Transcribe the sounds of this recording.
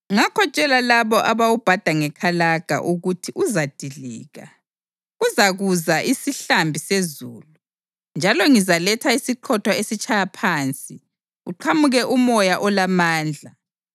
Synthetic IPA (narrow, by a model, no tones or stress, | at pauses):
ŋakʰɔt͡ʃʼɛlalaβɔʔaβawub̥ʱad̥ʱaŋɛkʰalaɡ̥ʱa̰ʔuɣutʰiʔuzad̥ʱiɮiːɣa | ɣuzaɣuzaʔisiɬambʱisezuːlu | nd͡ʒʱalɔŋizalɛtʰaisiǃʰɔtʰwaesit͡ʃʰʼajapʰaːnt͡sʼi | uǃʰamuɣɛʔumɔjaʔɔlamaːnd͡ɮʱa